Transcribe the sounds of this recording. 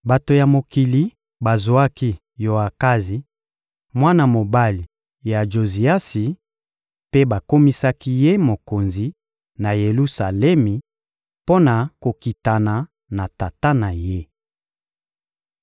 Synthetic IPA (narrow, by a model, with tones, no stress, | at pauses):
ba˨to˨ja˨mo˨ki˨li˨ | ba˨zo˨˦a˦ki˦ | jo˨a˨ka˦zi˨ | mwa˦na˦˨mo˨ba˦li˨ | ja˨ʒo˨zi˨a˦si˨ | pe˦ba˨ko˦mi˦sa˦ki˦je˦mo˨ko˨nzi˨ | na˨je˨lu˦sa˨lɛ˦mi˨ | po˦na˨ko˨ki˨ta˨na˨ | na˨ta˨ta˦na˨je˦